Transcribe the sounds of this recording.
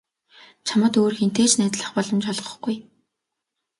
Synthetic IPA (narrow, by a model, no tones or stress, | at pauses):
t͡ɕʰamə̆t̪oːrxen̥t̪ʰeːt͡ɕnæːt̪ɮə̆χpɔɮɞ̆mt͡ɕɔɮʁɞ̆χɡuj